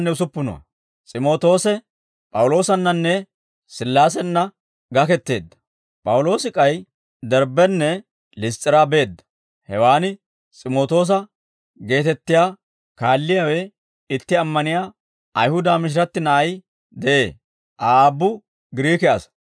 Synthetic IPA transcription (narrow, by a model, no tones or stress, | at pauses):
nːɛʊsʊpːʊnɔ̰ɐ̰ | t͡sʼɪmo̞ːt̪o̞ːsɛ | pʼɐwlo̞ːsɐnːɐnːɛ | sɪlːaːs̬ɛnːɐ | ɡɐkɛt̪ːe̞̰ːd̪ːɐ̥ | pʼɐwʊlo̞ːsɪkʼɐj | d̪ɛɾbɛnːɛ | lɪst͡sʼːɪɾaːbe̞ːd̪ːɐ̥ | hɛwaːnɪ | t͡sʼɪmo̞ːt̪o̞ːs̬ɐ | ɡe̞ːt̪ɛt̪ːɪjaː | kaːlːɪjaːwɛ | ɪt̪ːɪɐmːɐnɪjaː | ʔɐjhʊd̪aːmɪʃ̬ɪɾɐt̪ːɪnɐʔɐj | d̪ɛʔḛː | ʔaːbːʊ | ɡɪɾiːkɛɐs